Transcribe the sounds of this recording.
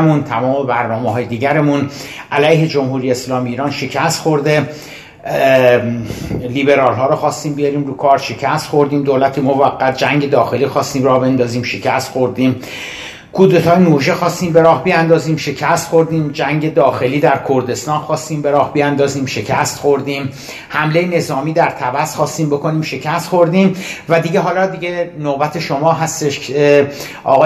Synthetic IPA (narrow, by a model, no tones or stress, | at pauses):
munt̪ʰæmɒːmobæɾnɒːmeɦɒːjed̪iːɟæɾemun | ʔælæjhe̞d͡ʒomhuːɾijeeslɒːmiːɾɒːnʃe̞cʰæst̪xoɾd̪e̞ | liːbe̞ɾɒːlɦɒːɾoxɒːst̪iːmbijɒːɾiːmɾuːkʰɒːɾʃe̞cʰæst̪xo̞ɾd̪iːmd̪oːlæt̪ʰemovæɡːæt̪̚d͡ʒæŋɟe̞d̪ɒːxe̞liːxɒːst̪iːmrɒːhbe̞nd̪ɒːziːmʃe̞cʰæst̪xo̞ɾd̪iːm | kʰud̪e̞t̪ʰɒːjenoːʒexɒːst̪iːmbe̞ɾɒːhbiænd̪ɒːziːmʃe̞cʰæst̪xo̞ɾd̪iːmd͡ʒæŋɟe̞d̪ɒːxe̞liːd̪æɾkʰoɾd̪e̞st̪ɒːnxɒːst̪iːmbe̞ɾɒːhbijænd̪ɒːziːmʃe̞cʰæst̪χo̞ɾd̪iːm | hæmle̞jene̞zɒːmiːd̪æɾt̪ʰæbæsxɒːst̪iːmbo̞kʰo̞niːmʃe̞cʰæst̪xo̞ɾd̪iːmvæd̪iɟe̞ɦɒːlɒːd̪iɟe̞nobæt̪ʰe̞ʃo̞mɒːɦæst̪eʃ | ʔɒ̰ːɣ